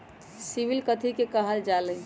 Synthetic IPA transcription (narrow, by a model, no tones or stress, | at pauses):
siʋilkət̪ʰikekəɦəld͡ʒalə